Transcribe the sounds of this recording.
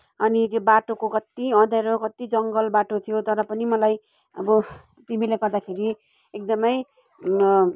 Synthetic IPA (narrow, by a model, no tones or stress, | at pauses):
ʌnit̪jobaʈokokʌt̪iʌ̃d̪ʌɾokʌt̪id͡zʌŋɡʌlbaʈot̪ʰijot̪ʌɾʌpʌnimʌlaj | ʌbʌ | t̪imileɡʌrd̪akʰeɾi | ek̚d̪ʌmʌj